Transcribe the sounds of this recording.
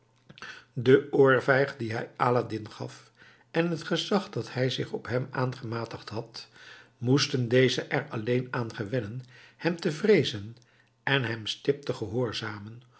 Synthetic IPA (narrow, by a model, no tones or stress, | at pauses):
dəʊːɹvɛjχdiɦɛjaːladɪnχɑ̰f | ɛnɦətχəzɑχdɑthɛjzɪχɔpɦɛmaːnχəmaːtəχtɦɑt | mustəndejzəʔɛɹɑlejnaːnχəʋɛnənhɛmtəvrejzən | ɛnɦɛmstɪp̚təχəɦʊːɹzaːmən